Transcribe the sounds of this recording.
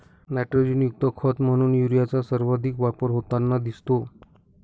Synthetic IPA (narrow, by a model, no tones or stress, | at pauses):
nɛʈɾod͡ʑinjuk̚t̪əkʰət̪m̤əɽ̃uːnjuɾijat͡sasəɾʋad̪ʱikʋapəɾɦot̪anːad̪ist̪o